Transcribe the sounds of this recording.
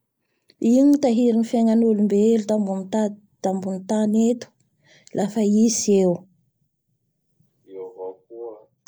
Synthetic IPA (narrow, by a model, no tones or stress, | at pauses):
init̪aɦiɾinifjaŋanulumbelud̪ambunt̪ | d̪̥ambunit̪anet̪u̥ | lʔafaisew | voku